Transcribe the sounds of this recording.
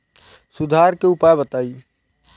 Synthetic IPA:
sʊd̪ʱaɾkeʊpaːjebət̪aːi

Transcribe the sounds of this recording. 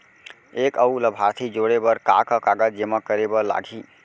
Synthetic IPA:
ekəuləbʱaɾt̪ʰid͡ʒoɽebəɾka̰kəkaɡəd͡ʒeməkːəɾebəla̰ɡʱi

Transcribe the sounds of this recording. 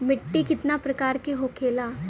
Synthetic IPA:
mɪʈːikɪt̪napɾɐkaːɾkeɦoːkʰeːlaː

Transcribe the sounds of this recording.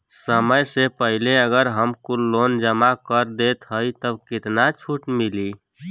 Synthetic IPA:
səməjsepəɦileəɡəɾɦəmkulːond͡ʒəmakəɾd̪et̪ɦəjt̪əbkit̪nat͡ʃʰuʈmili

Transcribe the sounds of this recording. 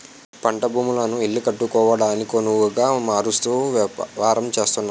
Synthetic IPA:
pɐɳʈɐbʱuːmulɐnuilːikɐʈːukɔːʋɐɽaːnikonuʋuɡaːmaːɾust̪uːʋaːɾɐmt͡ʃe̞ːst̪unːa

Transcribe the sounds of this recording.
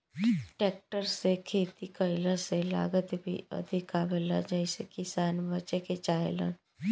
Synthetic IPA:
ʈɛːk̚ʈəɾsekʰeːt̪ikəɪləsela̰ːɡət̪bʱiɐ̰d̪ʱikabɪla̰d͡ʒɛɪsekɪsaːnbət͡ʃeket͡ʃaːjɪlə̰n

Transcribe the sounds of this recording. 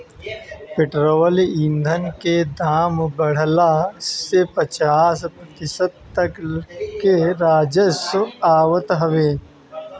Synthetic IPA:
pɪʈɾowəlind̪ʱənked̪aːmbɐɽ̤lasepɐt͡ʃaːsk̪ɪsət̪t̪ɐkkeɾaːd͡ʒəsaːwət̪ɦɐʋeː

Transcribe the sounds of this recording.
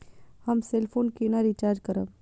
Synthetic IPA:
hɐmselpʰoːnkinaɾit͡ʃaːɾd͡ʒkɐɾə

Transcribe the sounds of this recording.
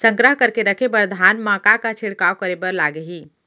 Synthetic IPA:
sə̃ŋɡɾəɦkəɾkeɾəkʰebəɾd̪ʱanmãkakat͡ʃʰiɽkawkəɾebəɾlaɡeɦiː

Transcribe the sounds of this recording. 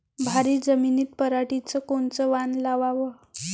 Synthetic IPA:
bʱaɾiːd͡zəminiːt̪̚pəɾaʈit͡səkoɳt͡səʋanlaʋaʋə

